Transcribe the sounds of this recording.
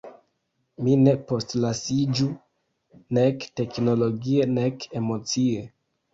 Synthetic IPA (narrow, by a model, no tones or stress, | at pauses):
mine̞po̞stlasid͡ʒu | ne̞kte̞kno̞lo̞ɡiene̞ke̞mo̞t͡sie